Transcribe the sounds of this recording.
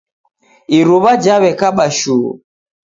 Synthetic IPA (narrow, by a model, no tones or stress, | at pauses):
iɾuβad͡ʒaβɛkaɓaʃṵː